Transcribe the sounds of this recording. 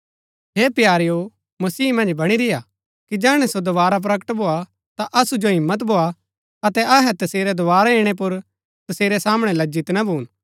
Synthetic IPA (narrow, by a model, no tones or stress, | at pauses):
ɦeːpjaːɾjo | mɐsiːmɐ̃nd͡ʒbɐɽ̃iɾɪja | kid͡ʒɛːɽ̃ɛ̃sod̪oʋaːɾap̬ɾɐkəʈbʱoːa | t̪aʔɐsud͡ʒoɦɪmːət̪̬bʱoːa | ɐt̪ɛʔɐɦɛt̪ɐseːɾɛd̪oʋaːɾaeːɽ̃ep̬ʊɾ | t̪ɐseːɾɛsaːmɽ̃ɛlɐd͡ʒɪt̪nabʱuːn